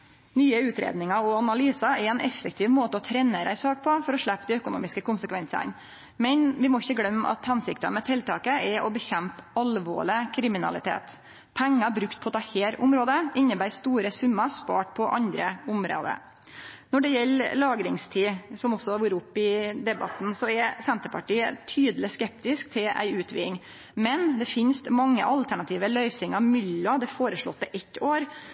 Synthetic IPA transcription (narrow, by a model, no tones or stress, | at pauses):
nyːəʉːt̪ɾḛːd̪nɪŋɑɔɑnɑlyːsɑɛɾɛnʔɛfək̚t̪ʰɪːʋmoːt̪əɔt̪ʰɾɛnəɾæ̰ɪsɑːk̚pʰɔfɔɾɔʂɭæpːd̪ɪœkʊnṵːmɪskəkʊnsəkʰʋɛnsɑ̰n | mɛnʋɪmɔɪçːəɡlœmːɑ̰t̪hɑnsɪk̚t̪əmɛt̪ʰɪlt̪ʰɑːkəʔɛʔɔbəçɛmpɑlʋo̰ːɭɪkʰɾɪmɪnɑ̰lɪt̪ʰḛːt̪ | pʰæŋːɑbɾʉkt̪̚pʰɔt̪ʰɑːheːɾʊmɾoːd̪əɪnːəbæɪst̪uːɾəsʉmːəspɑ̰ːʈpʰɔʔɑnd̪ɾəʊmɾo̰ːd̪ə̰ | nɔɖɛjɛlːlɑːɡɾɪŋst̪ʰiːsɔmɔsːɔhɑɾʋuːɾəʊpːɪd̪ɛbɑt̪n̩sɔɛɾsɛnt̪əɾpʰɑʈiːət̪ʰyːd̪əlɪskɛpt̪ɪskt̪ʰɪlæ̰ɪʉːt̪ʋḭːŋ | mɛnd̪ɛfɪnst̪mɑŋːə̰ʔɑlt̪ʰæɳɑt̪ʰiːʋəlœʏsɪŋɑmʏlːɔd̪ɛfoːɾəʂɭɔ̰t̪ːɛʔɛt̪ːoːɾ